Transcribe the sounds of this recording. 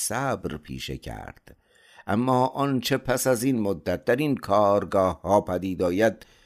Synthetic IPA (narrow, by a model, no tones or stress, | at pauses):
sæbɾpʰḭːʃḛcʰæ̰ɾd̪̥ | ʔæ̰mːɒːʔɒnt͡ʃʰe̞pʰæsæzinmod̪ːæt̪̚d̪æɾinkʰɒːɾɡɒːhhɒːpʰæd̪iːd̪ɒːjæd̪̚